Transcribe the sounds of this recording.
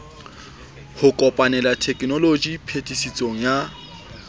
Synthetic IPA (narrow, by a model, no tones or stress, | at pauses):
hʊkʼɔpʼanɛlatʰɛkʼnɔlod͡ʒipʰetʼisit͡sʼoŋ̩ja